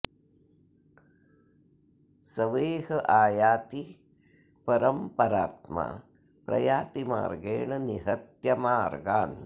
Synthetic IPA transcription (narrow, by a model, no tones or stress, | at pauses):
sɐʋeːɦɐʔaːjaːt̪i | pɐɾɐmpɐɾaːt̪ma̰ | pɾɐ̰jaːt̪ima̰ːɾɡeːɳɐniɦɐt̪jɐmaːɾɡaːn